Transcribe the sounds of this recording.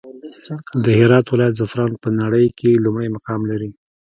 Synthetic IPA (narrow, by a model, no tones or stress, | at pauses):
d̪əhɪɾɑt̪wɪlɑjat̪zafɾɑnpənaɽəjkʰelumɽəjmaqɑmlaɾi